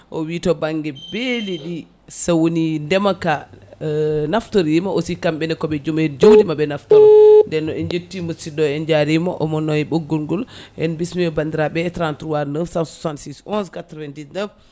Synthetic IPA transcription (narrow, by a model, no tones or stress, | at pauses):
ʔɔwitɔbaŋɡɛbeliɗi | sawonindɛmaka | naftoɾimɔosikamɓɛnɛkɔɓɛd͡ʒomɛd͡ʒodimabɛnaftɔɾndɛnːɔɛnd͡ʒetːimusidɔɛnd͡ʒaɾimɔʔɔmɔnːɔɛɓoɡːulɡulʔɛ̰nbismiɔbandiɾaɓɛtɾantɾuwaɾnəfsawsu̥santsisɔnskatɾɔvɛndisnəf